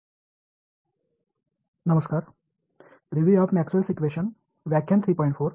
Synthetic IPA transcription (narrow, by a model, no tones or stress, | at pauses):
nɐməskaːɾ | ɾiʋjiːaːʋmɛːksuʋɐlsit͡ɕuʋeːʃən | ʋjaːkʰjɐnt̪ʰɾiːpɔːɪ̃ɳʈfʰoːɾ